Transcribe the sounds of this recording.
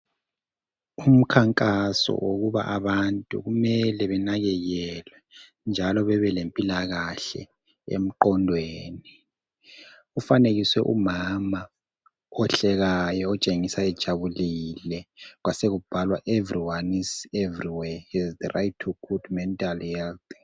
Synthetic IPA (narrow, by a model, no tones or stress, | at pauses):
um̩kʰaŋkʼasɔ̰woɣuβa̰ʔaβantʼṵɣumɛlɛβɛnaɣɛɣɛlwɛ | nd͡ʒʱalɔβɛβɛlempʼilaɣaɬɛ̰ | ḛm̩ǃɔndʱweːni | ufaneɣiswɛʔṵmama | ɔɬɛɣajɔɔt͡ʃʼeŋisaɛd̥ʒ̥ʱaβulilɛɣwaseɣub̥ʱalwaʔevriwanisevriwɛɛzðərʔajtʰɔkʰudmɛntʼalhɛlt